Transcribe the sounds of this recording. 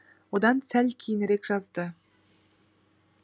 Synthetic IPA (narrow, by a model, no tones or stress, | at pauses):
wod̪ɑnsælkʲʰijɪnɾe̞kʒ̥ɑzd̪ə